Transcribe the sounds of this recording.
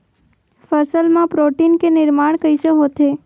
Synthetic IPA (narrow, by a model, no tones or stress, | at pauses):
fəsəlmãpɾoʈinkenɪɾmaɳ̃kəjsəɦot̪ʰe